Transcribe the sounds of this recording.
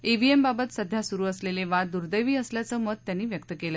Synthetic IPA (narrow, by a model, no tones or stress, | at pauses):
eʋiembabət̪səd̪ʱjasuɾuːəsleleʋad̪uɾd̪əjʋiːəsljat͡səːməd̪̚t̪ːjanːiːʋjəkt̪əkelə